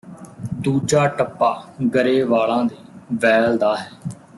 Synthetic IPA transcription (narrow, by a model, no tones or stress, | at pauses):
d̪uːd͡ʒaːʈəpːaːɡəɾeːʋaːlãːd̪eːʋɛːld̪aːɦɛː